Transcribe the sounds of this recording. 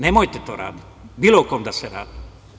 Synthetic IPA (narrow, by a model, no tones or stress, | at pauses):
nemojt̪et̪oːɾa̰ːd̪i | biːlokoːmd̪aseɾa̰ːd̪̥i̥